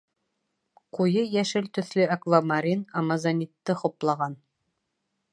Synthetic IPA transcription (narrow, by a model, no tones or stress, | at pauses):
qujɤjæʃɘlt̪ɵ̆θlɵakvamaɾʲinɑmazanʲit̪ːɤχŏplˠɑʁɑn